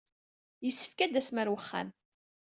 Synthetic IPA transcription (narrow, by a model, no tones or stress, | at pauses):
jəsːə̥fkæd̪æsməɾwəχːæ̰n